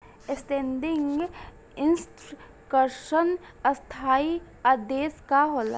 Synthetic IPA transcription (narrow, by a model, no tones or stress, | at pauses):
esʈẽːɳɖɪ̃ŋɡ | ɪnsʈ | kəɾʃən | əst̪ʰaːi | ad̪eːskaɦoːla̰